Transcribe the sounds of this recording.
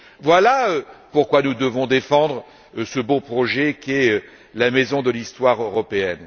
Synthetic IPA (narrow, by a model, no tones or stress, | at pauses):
vwalaøpuʁkwanud̪əvɔ̃d̪efɑ̃d̪ʁə | səbopχɔʒɛkʲiɛ | lamɛzɔ̃d̪əlist̪waʁøʁɔpeɛn